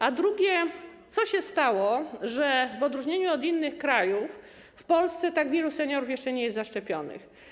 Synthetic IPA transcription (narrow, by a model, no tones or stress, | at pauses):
ad̪ɾuɡʲjɛt̪sɔɕɛst̪awɔʐɛvɔd̪ɾuʐɲeɲuɔd̪inːɘxkɾajufː | pɔlst̪sɛt̪aɡvʲjɛlusɛɲɔɾufjɛʂt͡ʂɛɲɛjɛst̪zaʂt͡ʂɛpʲjɔnɘ̰x